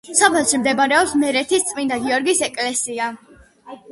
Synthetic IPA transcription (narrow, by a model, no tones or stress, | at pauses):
sapʰɛlˠʃimd̪ɛbaɾɛɔpsmɛɾɛt̪ʰist̪sʼmind̪aɡiɔɾɡisɛkʼlɛsia